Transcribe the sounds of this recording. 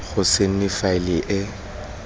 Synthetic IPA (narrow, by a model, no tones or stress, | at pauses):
ɣʊsen̩nɪfaɪlɪʔɪ